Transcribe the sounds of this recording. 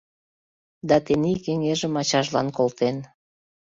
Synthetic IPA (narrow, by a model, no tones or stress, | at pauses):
d̪ɑt̪enikeŋeʒəmɑt͡ɕɑʒlɑ̰nkolt̪en